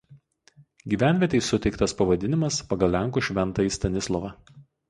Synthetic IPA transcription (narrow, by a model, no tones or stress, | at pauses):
ɡʲiːʋʲæˑnʲʋʲiɛt̪ʲɛɪsʊt̪ʲɛɪkt̪ɐspɐʋɐd̪ʲɪnʲɪmɐspɐɡɐlʲˠlʲæˑŋˑkuːʃʲʋʲɛnˑt̪ɐɪsʲt̪ʲɐnʲɪslˠɔʋɐ